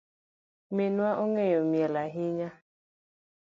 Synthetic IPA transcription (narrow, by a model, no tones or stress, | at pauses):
mɪnwaʔoŋejomjelaɦiɲa